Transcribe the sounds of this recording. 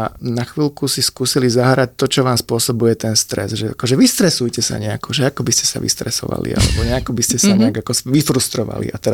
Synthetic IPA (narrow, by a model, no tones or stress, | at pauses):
naxʋiːlkusiskuːsilizaɦɾac̚t̪ɔt͡ʃɔʋaːmspʊɔsɔbujɛt̪ɛnst̪ɾɛ̰zʒɛa̰kɔʒɛʋist̪ɾɛsujcɛsa̰ɲɛakɔʒɛakɔbiscɛ̥sa̰ʋḭst̪ɾɛsɔ̰ʋa̰lḭʔa̰lɛ̰bɔɲɛakɔbiscɛsaɲɛaɡakɔʋifɾust̪ɾɔʋa̰lḭat̪ɛɾ